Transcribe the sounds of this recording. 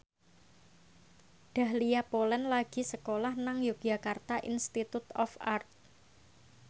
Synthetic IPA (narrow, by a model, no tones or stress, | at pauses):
ɖ̥a̤hlijapolɛnlaɡ̥i̤səkolahnaŋjoɡ̥akart̪aʔḭnst̪it̪ut̪ɔfart̪̚